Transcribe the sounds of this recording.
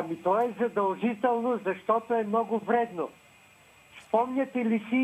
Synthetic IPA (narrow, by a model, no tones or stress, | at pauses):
mit̪ɔɛzɐd̪ɐlˠʒit̪ɛlˠnozɐʃt̪ɔt̪oɛmnɔɡʊvɾɛd̪no | spɔmɲʲat̪ɛlisi